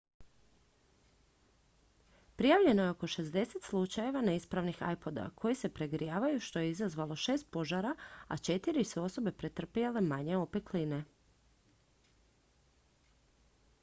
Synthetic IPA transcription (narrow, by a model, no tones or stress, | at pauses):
pɾijaʋʎe̞no̞jeo̞ko̞ʃe̞zd̪e̞set̪slˠut͡ʃaje̞ʋaneispɾaʋnixa̰jpo̞d̪a̰kʰo̞jise̞pɾeɡɾijaːʋajuʃt̪o̞jeizazʋalˠo̞ʃe̞ːst̪̚po̞ʒaɾaa̰t͡ʃe̞t̪iɾisuo̞so̞be̞pɾet̪r̩pijale̞maɲe̞ope̞kline̞